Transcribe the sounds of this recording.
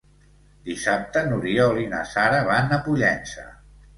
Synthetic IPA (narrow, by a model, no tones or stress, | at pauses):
d̪isap̚t̪ənuɾiolina̰saɾəβanəpuʎɛnsə̰